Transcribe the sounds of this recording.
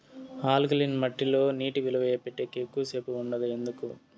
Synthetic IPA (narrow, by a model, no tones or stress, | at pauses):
aːlɡlinmɐʈːilo̞ːniːʈiʋilɐʋɛjɐpeʈːeːkekːuʋɐse̞ːpuuɳɖɐd̪ɐend̪uku